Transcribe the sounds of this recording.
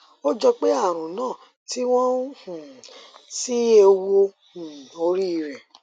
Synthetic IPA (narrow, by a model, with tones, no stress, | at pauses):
o˦d͡ʒɔ˧k͡pe˦a˦˨ɾ̃ũ˨nãː˦˨ | ti˦w̃ɔ̃˦hsi˦e˧wo˧ | ũ˨o˧ɾi˦i˧ɾɛ˨